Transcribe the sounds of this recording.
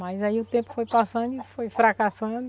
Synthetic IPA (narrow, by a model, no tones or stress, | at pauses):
majzaiʊt̪ẽpʊ̥fojpasɐ̃d̪ʊɪfojfɾakasɐ̃d̪ʊ